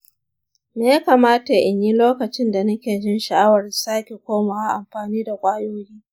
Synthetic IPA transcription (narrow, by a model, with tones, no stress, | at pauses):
meː˨ja˦kaː˨maː˦ta˨ʔɪ˨ɲji˦loː˦kɐ˨t͡ʃɪ˦nda˨nɐ˦kʲeː˨d͡ʒɪ˦nʃɐ˨ʔa˦wɐ˨rsaː˦kʲe˨kʷoː˦maː˨wa˦ʔa˨mɸaː˨niː˦da˨kʷʼaː˦joː˦jiː˦